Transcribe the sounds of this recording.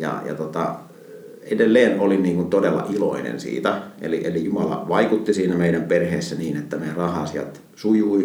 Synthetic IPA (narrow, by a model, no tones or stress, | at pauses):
jɑ̰jɑ̰t̪ot̪ɑ̰ | edelːeːnʔoliniːŋkunt̪odelːɑ̰ʔilo̰inḛnsḭːt̪æḛliʔelijumɑlɑ̰ʋɑikut̪ːisiːnæmeˑiɾæmperheːsːæniːnet̪ːæmerɑhˑɑːsiælt̪ | sujui